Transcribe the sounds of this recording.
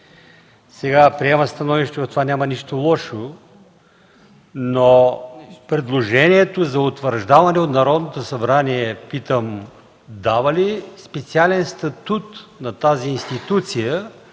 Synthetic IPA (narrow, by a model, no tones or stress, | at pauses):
sɛɡapɾiɛmɐst̪ɐnɔviʃt̪ɛvɐt̪ovanʲamɐniʃt̪olˠɔʃo | no | pɾɛd̪lˠoʒɛniɛt̪ozɐot̪vəɾʒd̪avɐnɛot̪nɐɾɔd̪not̪osɐbɾaniɛpit̪əm | d̪avəlispɛt̪sialɛnst̪ɐt̪ut̪nɐt̪aziːnst̪it̪ut̪sijə